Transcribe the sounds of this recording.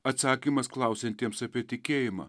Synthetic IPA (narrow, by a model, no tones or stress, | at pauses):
ɐt̪sɑːkʲiːmɐsklˠɐʊsʲɛnʲt̪ʲiɛmsɐpʲiɛt̪ʲɪkʲeːjɪmɐ̰ː